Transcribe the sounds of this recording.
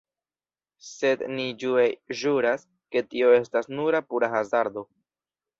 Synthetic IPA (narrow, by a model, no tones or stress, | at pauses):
se̞d̪nid͡ʒueʒuɾas | ke̞tio̞e̞stasnuɾapuɾaxazaɾd̪o̞